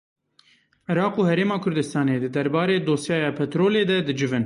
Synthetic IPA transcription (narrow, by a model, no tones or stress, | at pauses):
ɪɾɑːquːhɛɾeːmɑːkʰʊɾd̪ɨst̪ɑːneːd̪ɨd̪ɛɾbɑːɾeːd̪oːsjɑːjɑːpʰɛt̪ɾoːleːd̪ɛd̪ɨd͡ʒɪvɨn